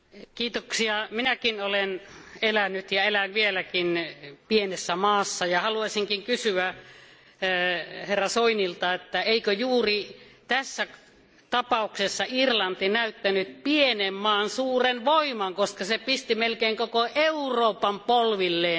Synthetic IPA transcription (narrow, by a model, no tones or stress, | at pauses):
kiːt̪oksiɑminækinolenelænːyt̪jɑelænʋielækinpienesːæmɑːsːɑjɑhɑluɑsʲiŋkiŋkysyæ | herːɑsoinilt̪ɑet̪ːæeikøjuːrit̪æsːæ | t̪ɑpɑˑuksesːɑirlɑnt̪inæyt̪ːænyt̪pienemːɑːnsuːrenʋoimɑŋkoskɑsepist̪imelkeiŋkokoʔeuroːpɑmpolʋilːeː